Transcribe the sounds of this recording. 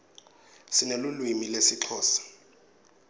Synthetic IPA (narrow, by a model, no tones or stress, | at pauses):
sɪnelulwimilesit͡ɬʰɔːsḁ